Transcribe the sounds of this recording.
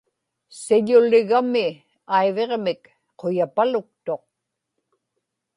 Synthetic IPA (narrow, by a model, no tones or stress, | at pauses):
sɪʎʊlɪɣamɪ | ajveʁmɪk | qʰojapalʊk̚t̪o̞q̚